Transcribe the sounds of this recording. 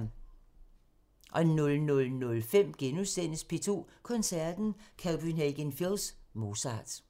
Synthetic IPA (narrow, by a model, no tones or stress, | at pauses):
ʔɒ̽e̝nːɔlnɔ̽lnɔ̽lfem̰ɡ̥enusen̰əspʰe̝t͡sʰo̝̰ːkʰɔ̽nsæɐd̥n̩kʰæʊb̥yneɡ̥enfilˠsmo̝sɑ̈ːd̥